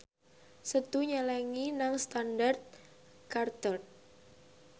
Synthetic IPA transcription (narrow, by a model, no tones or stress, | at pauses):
sət̪uɲalaŋinaŋst̪andart̪̚ | kart̪ɔr